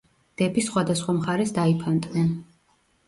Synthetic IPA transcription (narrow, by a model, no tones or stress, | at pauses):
d̪̥ɛbisχwad̪asχwamχaɾɛsd̪aipʰant̪ʼnɛn